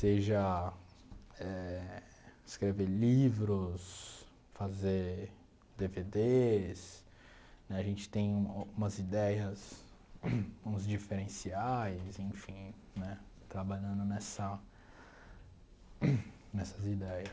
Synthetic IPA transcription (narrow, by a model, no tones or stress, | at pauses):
seʒɐ | ɛ | ɪskɾeveɾlivɾʊs | fazeɾ | d̪eved̪es | nɛaʒẽnt͡ʃɪ̥t̪ẽj̃ũũmɐzid̪ɛjɐs | ũzd͡ʒifeɾẽsiajzẽfĩ | nɛ | t̪ɾabaʎɐ̃nd̪ʊnɛsɐ | nɛsɐzid̪ɛjɐs